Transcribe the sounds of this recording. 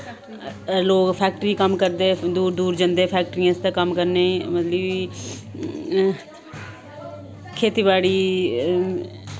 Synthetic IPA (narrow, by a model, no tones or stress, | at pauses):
loːkpʰɛːk̚ʈɾiːkəmkəɾd̪eːd̪uːɾd̪uːɾd͡ʒə̃nd̪eːpʰɛːk̚ʈɾiãːst̪ãːkəmkəɾnẽːmət̪ləb | kʰeːt̪iːbaːɽiː